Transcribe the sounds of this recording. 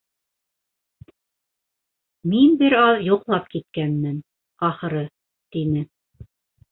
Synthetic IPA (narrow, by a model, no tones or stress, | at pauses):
minbɘɾɑðjŏqlˠɑp̚kit̪̚kænmɘn | ɑχɤ̆ɾɤ | t̪inɘ